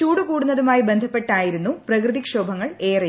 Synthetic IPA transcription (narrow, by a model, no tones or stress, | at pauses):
t͡ɕuːɽukuːɽunːɐðumaːjibend̪ʱɐpːe̞ʈːaːjiɾunːuprɐkrɨðikʂo̞ːbʱɐŋːɐɭe̞ːrɐ